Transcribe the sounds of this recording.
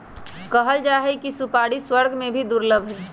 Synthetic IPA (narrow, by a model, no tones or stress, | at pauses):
kəɦəld͡ʒaːɦekisupaːɽiswəɾɡʱmẽbʱid̪ʊɾləbʱɦɛː